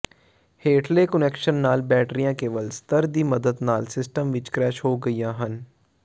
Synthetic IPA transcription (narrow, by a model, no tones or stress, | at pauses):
heːʈʰleːkənɛkʃənːaːlbɛːʈɾijãːkeːʋəlst̪əɾd̪iːməd̪əd̪naːlsɪsʈəmʋɪt͡ʃkɾɛːʃɦoːɡəiːjãːɦən